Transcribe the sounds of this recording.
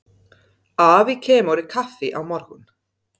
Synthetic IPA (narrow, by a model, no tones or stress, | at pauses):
aːvikʰɛːmɔwɾɪkʰafɪʔawmɔɾɣun